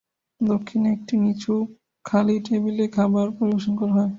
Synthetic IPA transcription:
d̪okʰːinek̚ʈikit͡ɕʰu | kʰaliʈebilekʰabaɾpoɾiboʃonkɔɾaɦɔe

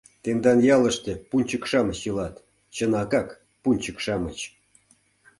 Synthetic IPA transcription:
t̪end̪ɑnjɑlə̆ʂt̪ĕpunʲt͡ɕəkʂɑmə̆t͡ɕjɤlɑt̪ | t͡ɕə̆nɑkɑk | punʲt͡ɕəkʂɑmət͡ɕ

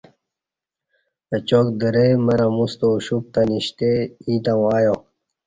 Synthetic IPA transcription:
ət͡ɕokd̪əɾemɐɾɐmust̪oɕup̚t̪aniɕt̪eiːt̪awaːjo

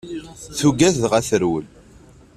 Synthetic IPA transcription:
θuɡæθðʁæθəɾwəl

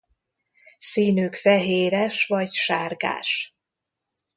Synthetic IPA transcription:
siːnyːkfɛɦeːɾɛʃvɒɟʃaːrɡa̰ːʃ

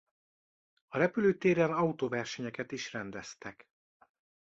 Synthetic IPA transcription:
ɒɾɛpyløːt̪eːɾɛnɒut̪oːvɛrʃɛɲɛkɛt̪iʃrɛnd̪ɛst̪ɛk

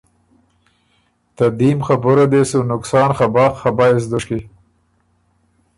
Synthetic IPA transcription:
t̪ad̪imxabʊɾad̪esunʊksɑːnχabɑːxχabɑɪs̬d̪ʊʃki

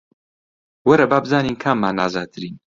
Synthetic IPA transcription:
wɐɾɐbaːbɨzaːniːnkʰamːaːna̰ːzaːt̪ʰɨɾiːn

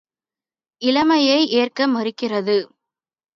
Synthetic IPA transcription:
ɪlɐmɐjɐɪʔeːrkɐmɐɾɪkːɪrɐðɯ

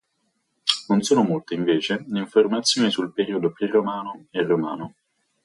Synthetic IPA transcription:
nonsoːnomolt̪eiɱveːt͡ʃeliɱformat̪sːjoːnisulpeɾiːod̪opɾirːomaːnoerːomaːno

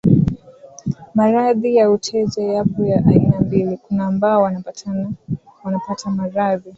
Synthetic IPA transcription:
maɾaðijautʰɛʄajapɔjaʔainambilikunambawa | wanapatʰamaɾaði

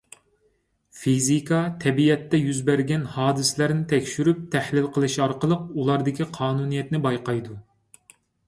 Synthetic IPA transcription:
fizikʰɑt̪ʰɛbiɛt̪ːɛjyzbæɾɡʲɛnhɑːd̪ɨsɪlæɾnɪt̪ʰɛkʲʃyɾyp̚t̪ʰɛhlɪlˠqʰəlˠɨʃɑɾqəlˠəq̚ulˠɑɾd̪ɪkʲiqʰɑːnunijɛt̪nɪbɑjqɑjd̪u

